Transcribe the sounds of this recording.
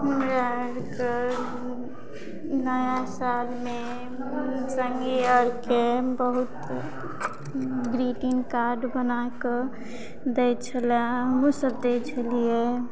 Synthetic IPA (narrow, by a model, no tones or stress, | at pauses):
ɦəmɾaɾke | nəjasalme | səŋɡiəɾkebəɦut̪ | ɡɾiʈinkaɾɖbənake | d̪et͡ʃʰəlaɦəmusəbd̪et͡ʃʰəlie